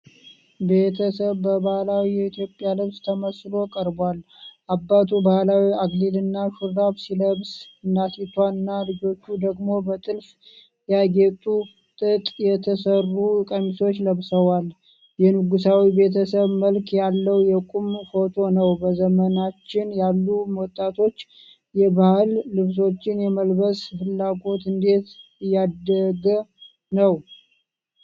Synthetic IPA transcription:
be̞t̪ʰəsəβːəbahlawijɛit̪ʰjo̞pʼjalɨβst̪ʰəməslo̞kʼəɾbalʔabːat̪ʰubahlawiaɡlilɨnːaʃuɾdaβsiləβsɨnd̪at̪ʰit̪ʰwanːalɨd͡ʒo̞t͡ʃːud̪əɡmo̞bət̪ʼɨlf | jaɡet̪ʼu | t̪ʼɨt̪ʼjɛt̪ʰəsərːukʼəmiso̞t͡ʃːləβsəwal | jɛnɨɡusawibe̞t̪ʰəsəβməlkʰjalːəwjɛkʼumfo̞t̪ʰo̞nəwbəzəmənat͡ʃːɪnjalːumwɔt̪ʼːat̪ʰo̞t͡ʃː | jɛbahɨlːɨβs̬o̞t͡ʃːɪnjɛməlbəshɨlːaɡo̞t̪ɨnd̪e̞t̪jːad̪əɡə | nəw

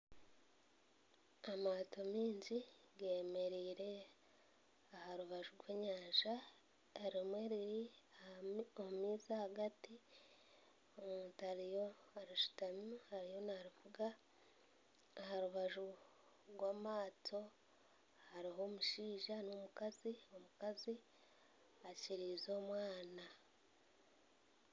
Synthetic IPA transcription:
amaːtomiːɲɟi | ɡeːme̞ɾiːɾe̞ | ahaɾuβaʒuɾwe̞ːɲaːʒa | eɾimwe̞ːɾiɾi | oumiːzahaɡati | omuːtaɾijo | aɾiʃu̥tamuhaɾijo̞naɾivuɡa | haɾuβaʒu | ɾwaːmaːtʰo̞ | haɾiɦo̞ːmuʃiːʒanomukazio̞mukazi | aciɾiːzo̞ːmwaːna

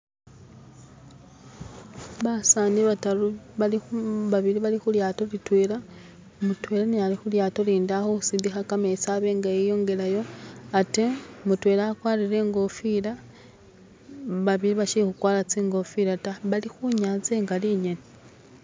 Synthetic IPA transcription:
βasaniβataluβaliβaβiɾiβalixuljaːto̞litweːla | mutweːlanealixuljaːto̞liːndaxoxu̥sindixakamet͡saβe̞ːŋɡaejo̞ːŋɡe̞lajo̞atemutweːlakwaːliɾe̞ːŋɡo̞fila | βaβiliβaʃixukwaːlat͡siːŋɡo̞fiɾataβalixuɲat͡seːŋɡaliɲene

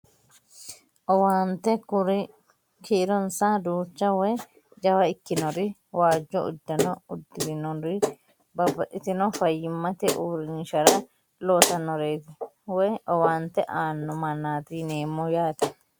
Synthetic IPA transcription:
ʔɔwaːnt̪ɛkʊɾɪ | kʰiɾɔnsad̪uːt͡ʃːɐwɔj | d͡ʒɐwɐɪkːɪnɔɾɪwaːd͡ʒːɔʊ̰d̪ːɐnɔʊd̪ːɪɾɪnɔɾɪ | bɐbɐʔɪt̪ɪnɔfɐjːɪmːɐt̪ɛʔuːɾɪnɪʃɐɾɐ | loːsɐnːɔɾeːt̪ɪ | wɔjɔwaːnt̪ɛʔaːnːɔmɐnːaːt̪iːneːmːɔjaːt̪ɛ

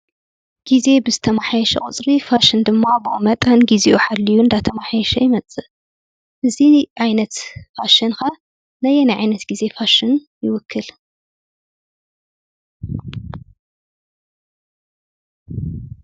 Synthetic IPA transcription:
ɡ̥ize̞bɨzɨt̪ʰɐmaħajɛʃɐ̰χʼɨ̰t͡sʼɾifaʃɨnd̪ɨmːabɨʔṵmɐt̪ʼanɡizeʔuħalːijuɨnd̪at̪ʰɐmaħajɛʃɐjɪmɐt͡sʼːɨ | ʔɨziʕajnɐt̪faʃɐnxa | nɐjɛnajʕajnɐt̪ɡize̞faʃɪn | jɪwʊkʰːɨl

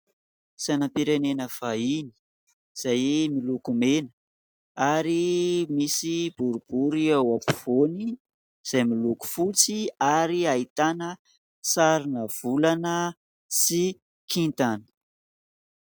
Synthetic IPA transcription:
sanampiɾenenəv̥aini̥ | z̥ajmilukumenə̥ | aɾimisib̥uɾub̥uɾiawapuv̥oni | z̥ajmiluku̥fut͡siaɾiait̪anə | saɾinəv̥ulanə | si | kʰint̪anə̥

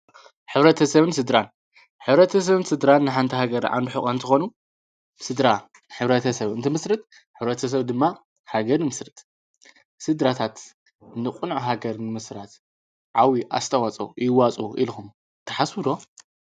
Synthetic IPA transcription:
ħɨβɾɐt̪ʰɐsɐβɨnsɨd̪ɾan | ħɨβɾɐt̪ʰɐs̬ɐβɨnsɨd̪ɾanːɨħant̪ʰihaɡɐɾʕa̰nd̪uħɨxʼɐnt̪ʰɨxonu | sɨd̪ɾa | ħɨβɾɐt̪ʰɐsɐβɨnt̪ʰɨmɨsɾɨt̪̚ | ħɨβɾɐt̪ʰɐs̬ɐβd̪ɨmːa | haɡɐɾnɨmɨsɾɨt̪ʼ | sɨd̪ɾat̪ʰat̪ | nɨkʼunʕuɦaɡɐɾnɨmɨsɾat̪ | ʕawiʔa̰st̪ʰɐwat͡sʼṵɨjɪwat͡sʼuʔḭlxum | t̪ʰɐħaswuɾo

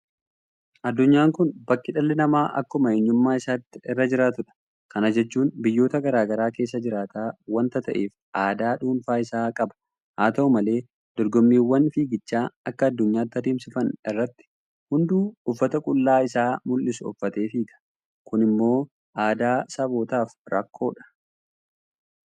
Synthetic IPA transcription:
ʔɐd̪ːʊɲːaːŋkʊnbɐkːɪᶑɐlːɛnɐmaːʔɐ̰kːʊmɐeɲːʊmːaːɪsaːt̪ːɪɪrːɐd͡ʒɪɾaːt̪ʊᶑɐ̥ | kɐnɐd͡ʒɛt͡ʃːuːnbɪjːo̞ːt̪ɐɡɐɾaːɡɐɾaːke̞ːs̬ːɐd͡ʒɪɾaːt̪aːwɐnt̪ɐt̪ɐʔeːf | ʔaːd̪aːᶑuːnfaːɪsaːkʼɐbɐ̥ | haːt̪ɐʊmɐle̞ː | d̪̥ɔɾɡɔmːiːwːɐnfiːɡɪt͡ʃːaːɐkːɐːd̪ːʊɲːaːt̪ːɪɐd̪iːmsɪfɐnɪrːɐt̪ːɪ̥ | hʊnd̪uːʊfːɐt̪ɐkʼʊlːaːɪsaːmʊlːɪsʊʊ̰fːɐt̪eːfiːkɐ̥ | kʊnɪmːo̞ː | ʔaːd̪aːsɐbo̞ːt̪aːfɾɐ̰kːo̞ːᶑɐ̥

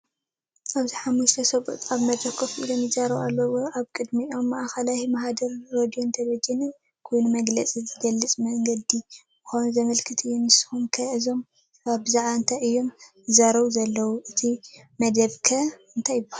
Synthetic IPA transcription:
ʔaβziħamːuʃt̪ʰɐsɐbut̪ʼaβmɐd̪ɾɐkʰofuʔḭlomjɨzaɾɐβalːɐwoʔaβkʼɨd̪miʔo̞mːaʔxɐlajimahad̪ɐɾːod̪io̞nt̪ʰɐβɐd͡ʒɛnɨn | kʰojnumɐɡlɐt͡sʼizɨɡɐlːɨt͡sʼmɐŋɡɐd̪i | bɨxownzɐmɐlkʰɨt̪ʰɨjːunɨsɨ̥humkʰɐʔɨzo̞m | aβbɨzaʕβaɨnt̪ʰajɨjːo̞m | ɨzaɾɐβuzɐlːɐwuʔɨt̪ʰi | mɐd̪ɐβkʰɐɨnt̪ʰajːɪbahal

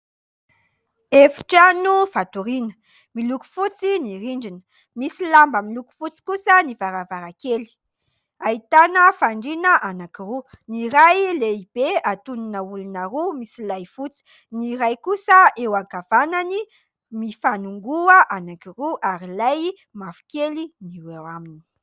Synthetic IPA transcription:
efi̥ʈ͡ʂanuvat̪uɾinə̥ | miluku̥fut͡siniɾiɳɖ͡ʐinə̥ | misilambəmiluku̥fut͡si̥kusənivaɾavaɾakeli̥ | ait̪anəfaɳɖ͡ʐinəʔanakiru | niɾajleib̥eat̪uninəulunəɾumisilajfut͡si̥ | niɾajkusəewaɡav̥anani | mifanuŋɡuəʔanakiruʔaɾilaj | mafu̥keliniwewamini̥

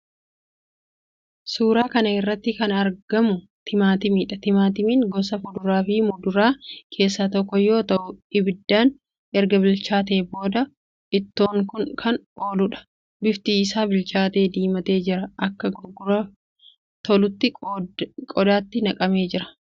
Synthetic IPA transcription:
suːɾaːkɐnɐɪrːɐt̪ːɪkɐnɐɾɡɐmʊ | t̪ʰɪmaːt̪ɪmiːᶑɐt̪ɪmaːt̪ɪmiːnɡɔsɐfʊd̪ʊɾaːfɪmʊd̪ʊɾaːkʰe̞ːsːaːt̪ɔkːɔjo̞ːt̪ɐʔʊɪbɪd̪ːaːn | ʔɛɾɡɐbɪlt͡ʃaːt̪̬e̞ːbo̞ːd̪ɐ | ʔɪt̪ːoːŋkʊŋkʰɐno̞ːlʊᶑɐ̥ | bɪft̪iːɪsaːbɪlt͡ʃaːt̪e̞ːd̪iːmɐt̪e̞ːd͡ʒɪɾɐʔɐkːɐɡɔɡʊɾɐ | t̪ɔlʊt̪ːɪ | kʼɔd̪aːt̪ːɪnɐkʼɐme̞ːd͡ʒɪɾɐ̥

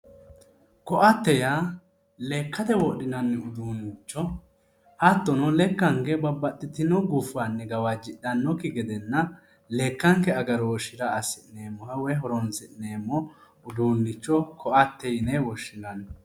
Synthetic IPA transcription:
kɔʔɐt̪ːɛja | le̞ːkːɐt̪ɛwɔɗɪnɐnːɛʊd̪uːnːɪt͡ʃːɔ | hɐt̪ːɔnɔlɛkːɐŋkɛbɐbːɐt̪ːɪt̪ɪnɔɡuːfanːɛɡɐwad͡ʒɪɗɐnːɔkːɪɡɛd̪ɛnːɐ | le̞ːkːɐŋkɛɐɡɐɾɔɔʃɪɾɐɐsɪʔne̞ːmːɔhɐwɛɦɔɾɔnsɪʔneːmːɔ | ʊd̪uːnːɪt͡ʃːɔkʰɔʔɐt̪ːɛjnɛwɔʃːɪnɐn

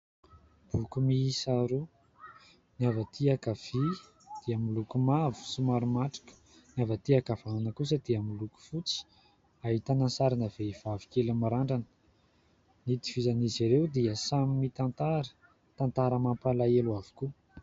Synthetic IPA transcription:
b̥ukumiːsaɾu | niavat̪iakav̥i | d̪̥iamilukumavu̥sumaɾumaʈ͡ʂḁkə̥ | njavat̪iakav̥aunəkus̬əd̪̥iamiluku̥fut͡si̥ | aɦit̪anansaɾinaveiv̥avi̥kelamaɾaɳɖ͡ʐanə̥ | nit̪i̥v̥izaniziɾewd̪iəsamimit̪ant̪aɾə̥ | t̪ant̪aɾəmampalaeluavu̥ku

